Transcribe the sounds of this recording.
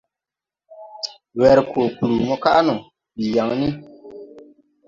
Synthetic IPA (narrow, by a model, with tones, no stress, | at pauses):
wɛ˨ɾkʰo˨ku˨lu˨mɔ˦ka˦nɔ˨ | bi˨ja˨ŋni˦